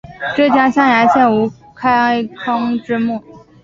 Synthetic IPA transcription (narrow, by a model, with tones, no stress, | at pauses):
ʈ͡ʂɤ˥˩t͡ɕja˥ɕjɑ˥˩ŋja˧˥ɪɕjɛ˥˩nu˧˥ | kʰa˥ɪɪkʰɤ˥ŋʈ͡ʂɻ̩˥mu˥˩